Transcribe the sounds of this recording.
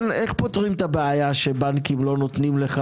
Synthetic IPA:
neχpot̪ʁimt̪abeajaʃebankimlo̞no̞t̪nimleχa

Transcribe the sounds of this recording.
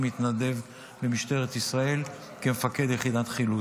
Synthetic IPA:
mit̪nad̪e̞v | bemiʃt̪e̞ʁet̪isʁae̞l | kemefake̞d̪jeχid̪at̪χilu

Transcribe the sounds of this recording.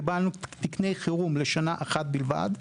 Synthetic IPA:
ibalnut̪ikne̞jχiʁumleʃanaʔaχat̪̚bilva̰d̪

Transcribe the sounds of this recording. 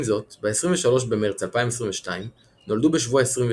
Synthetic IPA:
zo̞tbeesʁiɱveʃalo̞ʃbe̞me̞ʁt͡salpaimes̬ʁĩveʃtaim | no̞ldubeʃvuaesʁiɱve

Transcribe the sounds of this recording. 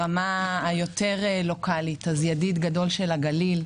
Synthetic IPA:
amaːjo̞t̪e̞ʁlo̞kʰalit̪azjadit̪ɡado̞lʃelaɡalil

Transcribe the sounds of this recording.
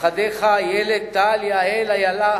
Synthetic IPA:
ɐd̪eːxaːjeːlek̚t̪aːljaːeːlɐjɐla

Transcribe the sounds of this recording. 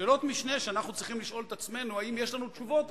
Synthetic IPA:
eːlo̞t̪miʃne̞ʃeanaχnut͡sʁiχimliʃo̞let̪at͡sme̞nuaimjeʃlanut̪ʃuvo̞t̪

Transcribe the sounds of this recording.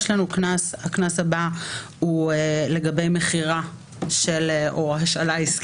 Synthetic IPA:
ʃlanuknashaknashabahuele̞ɡabe̞jmeχiʁa | ʃeleoɦaʃalaisk

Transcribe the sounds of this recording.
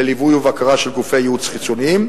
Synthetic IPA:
elivujuvakaʁaʃelɡufejeut͡sχit͡soniim

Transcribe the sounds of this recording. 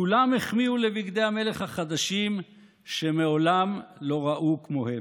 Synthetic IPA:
kulamheχmiulebiɡd̪e̞jhame̞le̞χhaχad̪aʃim | ʃe̞meo̞lamlo̞ʁaʔukmo̞hem

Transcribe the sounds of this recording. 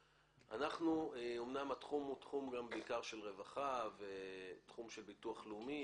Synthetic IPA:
a̰naχnueomnamat̪χumutχumɡambeikaʁʃe̞lʁe̞vaχavet̪χumʃelbituaχleumi

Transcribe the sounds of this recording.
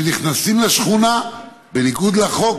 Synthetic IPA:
niχnasimleʃχuna | beniɡud̪laχo̞k

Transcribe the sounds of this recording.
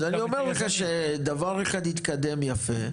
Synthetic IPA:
anio̞meʁleχaʃed̪avaʁeχad̪hit̪kad̪e̞mjafe

